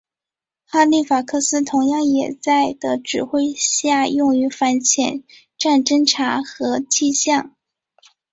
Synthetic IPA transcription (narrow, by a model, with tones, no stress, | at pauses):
xa˥li˥˩fa˨˩kʰɤ˥˩sɹ̩˥t̪ʰʊ˧˥ŋjɑ˥˩ŋjɛ˨˩t͡sa˥˩ɪd̪ə˩ʈ͡ʂɻ̩˨˩xwe˥˧ɪɕja˥˧jʊ˥˩ŋy˧˥fa˧˥nt͡ɕʰjɛ˨˩˦n | ʈ͡ʂa˥˩nʈ͡ʂə˥ŋʈ͡ʂʰa˧˥xɤ˧˥t͡ɕʰi˥˧ɕjɑ˥˩ŋ